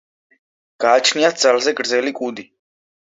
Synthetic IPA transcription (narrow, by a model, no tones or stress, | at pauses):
ɡ̥aːt͡ʃʰniat̪̚d̪zalzɛɡɾd̪zɛlikʼud̪i